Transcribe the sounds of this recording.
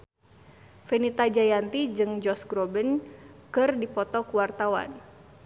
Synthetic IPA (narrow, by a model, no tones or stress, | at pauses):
fenit̪ad͡ʒajant̪id͡ʒɨŋd͡ʒɔsɡɾɔbənkɨrdipɔt̪ɔkuwart̪awa̰n